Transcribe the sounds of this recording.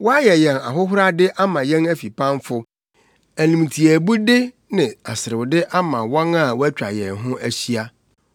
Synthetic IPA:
wɔ˦a˦jɛ˨jɛ˨na˨ɦʊ˦ɦʊ˦ɾa˦dɪ˦ʔa˦mã˨jɛ̃˦næ˦fi˨pʰã˦nfʊ˦ | æ˨nũ˨m˨tʰi˨æ˨bu˦dɪ˦ | nɪ̃˨a˨sɪ˨ɾɪ˨dɪ˦ʔa˦mã˨wɔ̃˦ŋa˦˨wɔ˦æ˦t͡ɕᶣa̰˨jɛ˨ɦʊ̃˦ʔæ˦ɕi˦a˦

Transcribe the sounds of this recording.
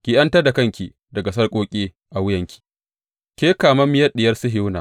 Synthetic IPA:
kʲi˨ʔɐ˦ntɐ˦da˨kɐ˦ŋkʲi˨ | dɐ˨ɡa˨s̬ɐ˦rkʼoː˦kʲʼeː˦ | ʔa˨wʊ˦jɐ˨ŋkʲi̥˨ | kʲeː˦kaː˨mɐ˦mːɪ˦jɐ˦rɗɪ˨jɐ˦rsʊ˦ɦɪ˦wnaː˨

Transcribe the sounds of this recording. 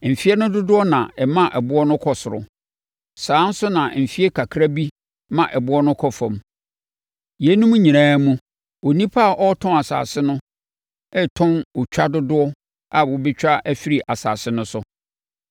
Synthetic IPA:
m̩˨fi˦ɛ˦nʊ̃˦dʊ˦dʊ˦ɔ˦nã̰˨ɛ˨mã˦ʔɛ˨bʊ˦ɔ˦nʊ̃˦kʰɔ˨sʊ˨ɾʊ̰˨ | sãː˨˦n̩˦sʊ˦nã˨m̩˨fi˦e˦kʰa˨kʰɾa˦bi˦ | mã˨ʔɛ˨bʊ˦ɔ˦nʊ̃˦kʰɔ˦fɔ̃˨m | je˨˦nũ˦mũ˦ɲĩ˨nãː˦mũ˦ | o˨nĩ˦pʰa˦a˨ʔɔ˦tʰɔ̃˦a˨sa̰ː˨sɪ˦nʊ̃˦ | ɛ˦tʰɔ̃˦nwʊ˨t͡ɕᶣa˦dʊ˦dʊ˦ɔ˦ | a˨wʊ˦bɪ˦t͡ɕᶣa˦ʔæ˦fi˦ɾi˨ʔa˨sa̰ː˨sɪ˦nʊ̃˦sʊ˦

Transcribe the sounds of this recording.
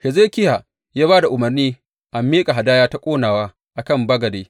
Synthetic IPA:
hɛ˨zeː˦kʲɪ˦ja˨ | jaː˦baː˦da˨ʔʊ˨mɐ˨rniː˦ | ʔa˨mːiː˦kʼa˨ɦa˨daː˦jaː˦ta˦kʷʼoː˦naː˨waː˦ | ʔa˨kɐ˦˨mbɐ˦ɡɐ˨deː˦

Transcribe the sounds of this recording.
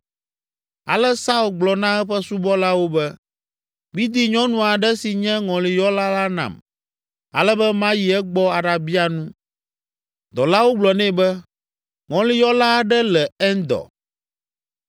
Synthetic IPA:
a̰˨lɛ˦sa˦u˨lɡ͡blɔ˨nã˦ɛ˦ɸɛ˦su˦bɔ˦la˦wo˦bɛ˦ | bi˦d̪i˦ɲɔ̃˦nũ˨a˨ɖɛ˦si˨ɲɛ̃˦ŋɔ̃˨li˨jɔ˦la˦la˦nã̰˨m | a̰˨lɛ˦bɛ˦mã˦ji˨ɛ˦ɡ͡bɔ˦a˨ɖa˨bi˦a˨nũ˦ | d̪ɔ˨la˦wo˦ɡ͡blɔ˨nɛ̃˦bɛ˦ | ŋɔ̃˨li˨jɔ˦la˦˨ɖɛ˦lɛ˨ɛ˦nd̪ɔ̰˨

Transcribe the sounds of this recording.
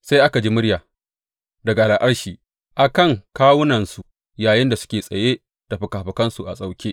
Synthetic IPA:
sa˦jʔa˦ka˨d͡ʒi˦mʊ˦ɽjaː˨ | dɐ˨ɡa˨laː˨ʔɐ˦ɽʃiː˨ | ʔa˨kɐ˦˨ŋkaː˦wʊ˦nɐ˨nsu˨ | jaː˨jɪ˦nda˨sʊ̥˦kʲeː˨sʼɐ˨jeː˦ | d̥a˨ɸɐ˨kaː˨ɸɐ˨kɐ˦nsu˨ʔa̰˨sʼa˦wkʲeː˦

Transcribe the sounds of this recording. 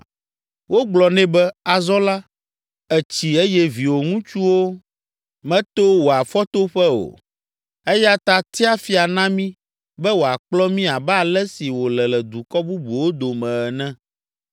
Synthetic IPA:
wo˦ɡ͡blɔ˨nɛ̃˦bɛ˦a˨zɔ˦la˦ | ɛ˨t͡ɕi˨e˦jɛ˦vi˨wo˨ŋũ˦t͡ʃu˦wo˦ | mɛ̃˦t̪o˦wo˨a˨fɔ˦t̪o˦ɸɛ˦o̰˨ | ɛ˦ja˦t̪a˦t̪i˦a˦fi˦a˨nã˦mĩ˦ | bɛ˦wo˨a˨k͡plɔ˦mĩ˦a˨bɛ˦a˦˨lɛ˦si˨wo˨lɛ˨lɛ˨d̪u˨kɔ˦bu˦bu˨wo˦d̪o˨mɛ̃˨ɛ˨nɛ̃˦

